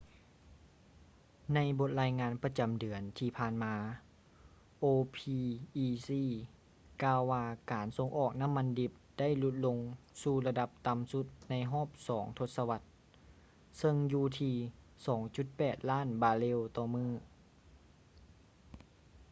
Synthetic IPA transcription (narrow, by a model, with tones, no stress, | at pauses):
na˧˥jbo˧˥t̪̚laː˧˥jŋaː˧˥npa˧t͡ɕa˨˩mdɯ˨˩˦ənt̪ʰiː˧pʰaː˧nmaː˧ | ʔoː˧pʰiː˧ʔiː˧siː˧˩ | kaː˧wːaː˧kaː˨˦nso˧ŋʔɔː˨˩k̚na˧˥˨mːa˧ndi˧˩p̚da˥˨jlu˧˦t̪̚lo˧ŋsuː˧la˧da˧˦p̚t̪a˧˨msu˧˦t̪̚na˧˥jɦɔː˥˩p̚sɔː˩˦ŋt̪ʰo˧t̪̚sa˧wa˧˥t̪̚ | sɤ˧ŋjuː˧t̪ʰiː˧ | sɔː˩˦ŋt͡ɕu˧˦t̪̚pɛː˨˩t̪̚laː˥˩˨nbaː˧le˧˥˨wt̪ɔː˧˩mɯː˧˥˩